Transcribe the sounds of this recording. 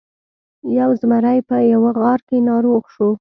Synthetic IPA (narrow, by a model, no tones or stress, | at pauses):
jawzmaɾajpəjawaɣɑɾkenɑɾoɣʃo